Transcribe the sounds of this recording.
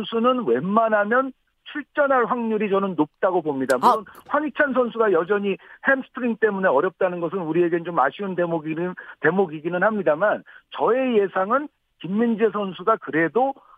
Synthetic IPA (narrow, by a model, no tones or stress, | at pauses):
nsʰunɯnwe̞mːanɦamjʌn | t͡ɕʰuɭt͡ɕ͈ʌnɦaɭɸwaŋɲuɾit͡ɕʌnɯnːop̚t͈aɡopomɲidamuɾonɸwaŋit͡ɕʰansʰʌnsʰuɡajʌd͡ʑʌɲihemsʰɯ̥tʰɯɾiŋt͈e̞mune̞ʌɾjʌp̚t͈anɯnɡʌs̬ʰɯnuɾie̞ɡet͡ɕomaɕʰiundemoɡite̞moɡiɡinɯnhamɲidamant͡ɕʌe̞je̞sʰaŋɯn | kimːind͡ʑe̞s̬ʰʌnsʰuɡakɯɾe̞do